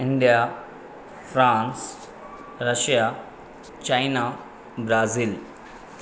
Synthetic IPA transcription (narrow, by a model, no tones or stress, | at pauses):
iɳɖija | fɾãns | ɾəɕja | t͡ɕajna | bɾaːziːl